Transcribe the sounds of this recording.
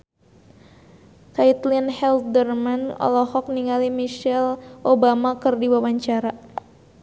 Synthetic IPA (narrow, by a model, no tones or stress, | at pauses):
kait̪linhɛldərmanɔ̰lɔhɔk̚niŋalimiʃɛlʔobamakɨrdiwawaɲt͡ʃaɾa